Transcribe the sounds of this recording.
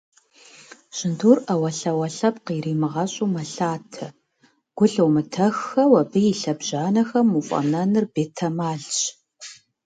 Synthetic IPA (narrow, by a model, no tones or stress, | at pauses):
ɕʼɪnduːrɐwɐɬɐwɐɬɐpqiːriːmɨʁɐɕʼuːmɐɬaːtʰɐ | ɡ̥ʷʊɬɐwmɨtʰɐxːɐwɐbɨjiɬɐbʑaːnɐxɐmːufʼɐ̰mnɐnɨrbeːtʰɐmaːɮɕ